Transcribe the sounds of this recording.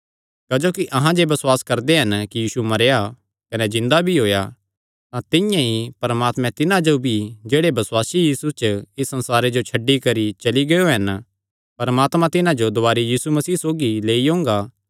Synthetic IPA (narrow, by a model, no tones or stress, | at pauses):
kɐd͡ʒoːkiʔɐɦãd͡ʒeːbɐswaːskɐɾd̪eɦɐnkijiːsumɐɾja | kɐnezɪ̃nd̪abʱiɦoːja | t̪ãt̪ɪjãɦipɐɾəmaːt̪mɛ̃t̪ɪnãd͡ʒobʱid͡ʒeːɽebɐsʊwaːsijiːsut͡ʃɪsːɐ̃nsaːɾed͡ʒot͡ʃʰɐɖːikɐɾit͡ʃɐliɡɐjoɦɐn | pɐɾmaːt̪mãt̪ɪnãd͡ʒod̪ʊaːɾijiːsumɐsiːsoːɡileːiɦõːŋɡa